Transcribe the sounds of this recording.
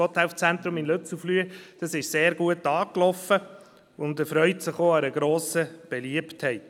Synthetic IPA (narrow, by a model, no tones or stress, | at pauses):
ɔt̪æʊft͡sɛnt̪ɾʊmɪnløt͡suflyəd̥ɑsɪʃseːɾɡuətɑːklɔfə | ʊnd̪əfɾœʏtsɪχoːɑɾəɡ̥ɾoːsəb̥ɛliəpthɛɪt